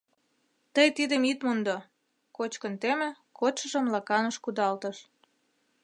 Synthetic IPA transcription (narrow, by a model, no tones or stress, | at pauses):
t̪əjt̪id̪əmit̪mond̪o | kot͡ɕkənt̪emĕ | kot̪ʃə̆ʒə̆mlɑkɑnəʃkud̪ɑlt̪əʃ